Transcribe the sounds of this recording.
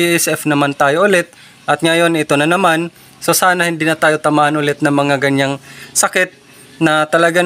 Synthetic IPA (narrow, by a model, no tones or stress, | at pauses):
iʔɛsɛfnɐmant̪aːjoʔʊlɛt̪̚ | ʔɐt̪̚ŋɐjo̞nɪt̪onɐnɐman | so̞saːnɐhɪnd̪inɐt̪aːjot̪ɐmaːhɐnʔʊlɛt̪̚nɐmɐŋaɡɐɲaŋsɐkɪt̪̚ | nɐt̪ɐlɐɡa